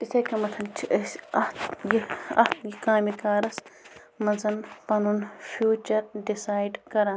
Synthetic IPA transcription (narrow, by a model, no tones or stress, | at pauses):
isɐkʲɐmɐt̪ʰɐnt͡ʃʰiʔɐsɐht̪jiɐ̰ht̪ɡikaːmikaːɾɐs | mɐnzɐnpɐnunfʰjuːt͡ʃɐɾɖisaːjɖkɐɾa